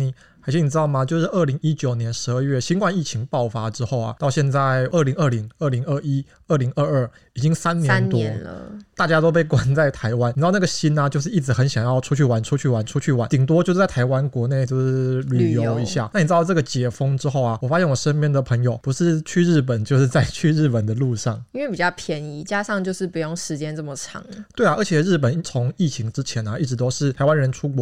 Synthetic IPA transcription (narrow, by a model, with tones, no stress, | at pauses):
ni˨˩˧ | t͡ɕʰi˧˥n˨˩ɻ̩˥t̪ɑ˥˩ʊma˨t͡ɕjo˥˧ʊʂɻ̩˥˩ʔə˞˥˩li˧˥ŋi˥t͡ɕjo˨˩ʊnjɛ˧˥nʂɻ̩˧˥ə˞˥˧ɥɛ˥˩ɕi˥nkwa˥˧ni˥˩t͡ɕʰi˧˥ŋpɑ˥˩ʊfa˥ʈ͡ʂɻ̩˥xo˥˩ʊɐ̰˨˩t̪ɑ˥˧ʊɕjɛ˥˧nt͡sa˥˧ɪə˥˩li˧˥ŋə˥˩li˧˥ŋə˥˩li˧˥ŋə˥˩i˥ | ə˥˩li˧˥ŋə˥˧ə˥˩ | i˨˩t͡ɕi˥ŋsa˥nnjɛ˦nt̪wɔ̰˥˧˦t̪a˥˩t͡ɕja˥t̪o˥ʊp̬e˥˩ɪkwa˥nt͡sa˥˩ɪt̪ʰa˧˥ɪwa˦ni˨˧˥na˥˩ɡə˩ɕi˥nɐ˨t͡ɕjo˥˧ʊʂ̬ɻ̩˥˧i˥˩t͡sɻ̩˧˥xə˧˥nɕjɑ˨˩ŋjɑ˥˩ʊʈ͡ʂʰu˥t͡ɕʰy˥˩wa˧˥nʈ͡ʂʰu˥t͡ɕʰy˥˩wa˧˦˥nʈ͡ʂʰu˥t͡ɕʰy˥˩wa˧˥nt̪i˨˩ŋt̪wɔ˥t͡ɕjʂ̩˥t͡st̪ʰa˧˥ɪwa˦nkwɔ˧˥ne˥˩ɪt͡ɕjʊʂɻ̩˥˧˥ly˨˩jo˨˦ʊi˧˥ɕja̰˥˩na˥˩ni˨˩ʈ͡ʂɻ̩˥d̪ʈ͡ʂɤ˥˩ɡə˩t͡ɕjɛ˨˩fɤ˥ŋʈ͡ʂɻ̩˥xo˥˩ʊɐ˩wɔ˨˩fa˥ɕjɛ˥˩nwɔ˨˩ʂə˥nmjɛ˥˩nd̪ə˩pʰɤ˧˥ŋjo˨˩ʊpu˧˥ʂɻ̩˥˧t͡ɕʰy˥˧ɻɻ̩˥˩p̬ə˨˩nt͡ɕjo˥˧ʊʂɻ̩˥˧t͡sa˥˧ɪt͡ɕʰy˥˧ɻɻ̩˥˩pə˨˩nd̪ə˦lu˥˧ʂɑ̰˥˩ŋi˥nwe˥˩pi˨˩t͡ɕjɑ˥˩pʰjɛ˧˥ni˧˥t͡ɕja˥ʂɑ˥˧ŋt͡ɕjo˥˧ʊʂɻ̩˥˩pu˧˥jo˥˩ŋʂɻ̩˧˥t͡ɕjɛ˥nt͡sə˥˩mə˩ʈ͡ʂʰɑ̰˨˧˥ŋt̪we˥˩ɪa˩ʔə˞˧˥t͡ɕʰjɛ˨˩ɻɻ̩˥˩p̬ə˨˩n˥˩t͡sʰo˧˦ŋi˥˩t͡ɕʰi˧˥ŋʈ͡ʂɻ̩˥t͡ɕʰjɛ˧˦nɐ˨i˥˩ʈ͡ʂɻ̩˧˥t̪o˥ʊʂɻ̩˥˩t̪ʰa˧˥wa˥˦nɻə˧˦nʈ͡ʂʰu˥kwɔ˧